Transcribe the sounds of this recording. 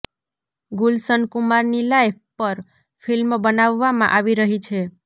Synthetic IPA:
ɡulsənkumaɾnilaj | pəɾ | fʰilmbənaʋːamã̰ʔaʋiɾəɦit͡ʃʰe

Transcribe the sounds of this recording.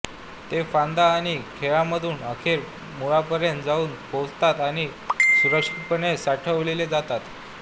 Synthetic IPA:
t̪efãnd̪aːɽ̃ikʰeɭaməd̪ʱuːnəkʰeɾ | muɭapəɾjənt̪d͡zauːnpowd͡zt̪at̪aɽ̃isuɾəkʂipənesaʈʰəʋleled͡zat̪at̪

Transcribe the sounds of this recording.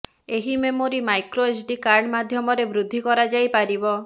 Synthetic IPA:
eɦimemoɾimajkɾoesɖikaɾɳmad̪ʱjɔmɔɾebɾud̪ʱːikɔɾad͡ʒajpaɾibɔ

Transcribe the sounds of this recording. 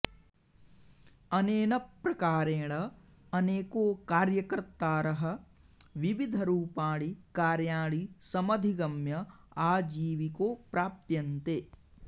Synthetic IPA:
ɐneːnɐpɾɐkaːɾeːɭɐ | ɐneːkoːkaːɾjɐkɐɾt̪ːaːɾɐɦɐ̆ | ʋiʋid̪ʱɐɾuːpaːɭikaːɾjaːɭisɐmɐd̪ʱiɡɐmjɐaːd͡ʒiːʋikoːpɾaːpjɐnt̪eː

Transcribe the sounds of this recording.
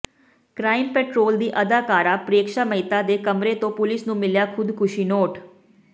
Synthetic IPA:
kɾaːɪmpɛːʈɾoːld̪iːʔəd̪aːkaːɾaːpɾeːkʃaːməɪt̪aːd̪eːkəmɾeːt̪õːpʊlɪsnũːmɪljaːkʰʊd̪kʰʊʃiːnoːʈ

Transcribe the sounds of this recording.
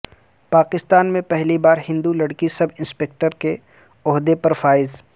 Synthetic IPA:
paːkɪst̪aːnmẽpɛɦlibaːɾɦɪ̃nd̪ulɐɽkisɐbɪ̃nspeːk̚ʈəɾke | ɔɦd̪epɐɾfaːɪz

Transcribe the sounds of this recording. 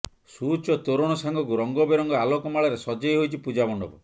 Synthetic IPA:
sut͡ʃɔt̪oɾoɽ̃ɔsaŋɡɔk̬uɾɔŋɡɔbeɾɔŋɡɔalokɔmaɭɔɾesɔd͡ʒɔjɦojt͡ʃʰipud͡ʒabɔɳɖɔ̰bɔ̰

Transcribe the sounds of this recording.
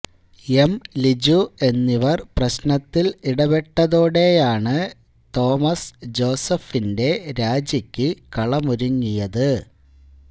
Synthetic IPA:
emlid͡ʑue̞nːiʋɐrprɐɕnɐt̪ːiliɽɐbeʈːɐðoːɽe̞jaːɳɨ | t̪o̞ːmɐsd͡ʑo̞ːsɐfinde̞ɾaːd͡ʑɐkʲːɨkɐɭɐmuɾuŋːijɐðɨ

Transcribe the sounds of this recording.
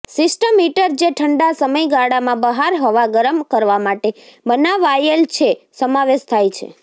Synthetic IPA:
sisʈəmiʈəɾd͡ʒeʈʰəɳɖasəməjɡaɽamãbəɦaɾɦɔʋaɡəɾəmkəɾʋamaʈebənaʋajəlt͡ʃʰesəmaʋeʃt̪ʰajt͡ʃʰḛ

